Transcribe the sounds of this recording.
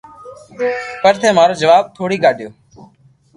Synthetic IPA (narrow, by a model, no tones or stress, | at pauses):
pəɾt̪ʰeːmaːɾoːd͡ʒəʋaːb̚t̪ʰoːɽiːɡaːɗjoː